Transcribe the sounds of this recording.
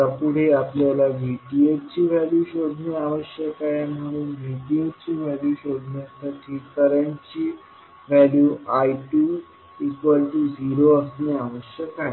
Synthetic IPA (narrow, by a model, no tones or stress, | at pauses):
apuɽ̤eapljalaʋiʈiet͡ɕiːʋɛljuɕod̪ʱneaʋəɕjəkajam̤əɽ̃uːnʋʱiʈiet͡ɕiːʋɛljuɕod̪ʱnasaʈʰikəɾjãɲt͡ɕiː | ʋɛljuːajʈu | ikʋəlʈud͡ʑʱiɾoəsneaʋəɕjəka